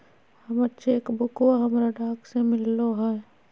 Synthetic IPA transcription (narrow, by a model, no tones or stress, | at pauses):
hɐmətːʃʰeeːkbʊkwaɦɐmɾaɖaːksemɪlːoɦɛː